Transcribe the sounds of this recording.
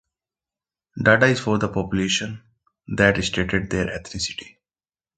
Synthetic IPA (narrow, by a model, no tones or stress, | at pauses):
ɖaːɖaɪzfɔːɾd̪əpɔːpjʊleːʃə̃n | d̪ɛʈɪsʈeːʈeɖ̚d̪eːɾʔɛt̪ʰɾɪsɪ̥ʈi̥